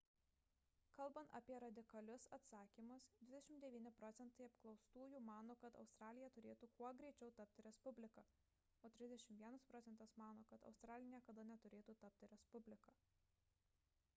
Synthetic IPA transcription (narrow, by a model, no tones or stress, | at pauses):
kɐlˠbɐnt̪ɐ̰pʲiɛɾɐd̪ʲɪkɐlʲʊsɐt̪sɑːkʲiːmʊsd̪ʲʋʲɪd̪ʲɛʃʲɪmd̪ʲɛʋʲiːnʲɪpɾɔːt̪sʲɛnt̪ɐɪɐpklˠɒʊst̪uːjuːmɑːnoːkɐt̪ɐ̰ʊst̪ɾɑːlʲɪjɛt̪ʊɾʲeːt̪uːkuɔɡɾʲɛɪt͡ʃʲɛʊt̪ɐp̚ʲt̪ʲɪɾʲɛspʊbʲlʲɪkɑː | oːt̪ʲɾʲɪzd̪ʲɛʃʲɪmt̪ʋʲiɛnɐspɾɔt̪sʲɛnt̪ɐsmɑːnoːkɐt̪ɐ̰ʊst̪ɾɑːlʲɪnʲiɛkɐd̪ɐnʲɛt̪ʊɾʲeːt̪uːt̪ɐp̚ʲt̪ʲɪɾʲɛspʊbʲlʲɪkɐː